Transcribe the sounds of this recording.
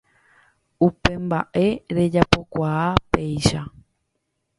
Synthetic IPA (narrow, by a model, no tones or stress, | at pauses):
upe̞mba̰ʔe̞ɾe̞d͡ʒapo̞kʷaape̞jʃa